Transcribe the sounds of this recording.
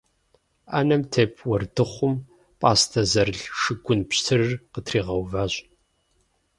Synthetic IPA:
aːnɐmtʰeːpʰwɐrdɨχʷʊm | pʼaːstʰɐzɐrɮʂɨɡʷʊnpɕtʰɨrɨrqətʰriːʁɐwvaːɕʼ

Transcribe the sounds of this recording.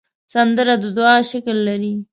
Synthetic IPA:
sand̪əɾad̪əd̪ʊɑʃaklːaɾi

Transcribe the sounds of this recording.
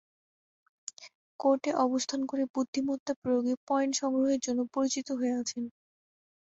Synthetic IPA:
koɾʈeʔɔbost̪ʰankoɾebud̪ʱːimot̪ːapɾojoɡepɔjnʈʃɔŋɾoɦeɾd͡ʑonːopoɾit͡ɕit̪oɦoeat͡ɕʰen

